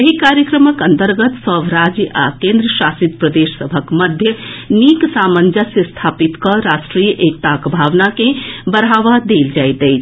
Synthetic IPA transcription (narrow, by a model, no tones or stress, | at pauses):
jəɦikaɾjəkɾəməkənt̪əɾɡət̪səbɾad͡ʒjʔa̰kẽnd̪ɾəsasit̪pɾəd̪essəbʱəkməd̪ʱjəniksamənd͡ʒasest̪ʰapit̪kʌɾasʈɾijəʔek̚t̪akbʱaʋnakẽbəɾɦaʋad̪eld͡ʒajt̪əɪt͡ʃʰ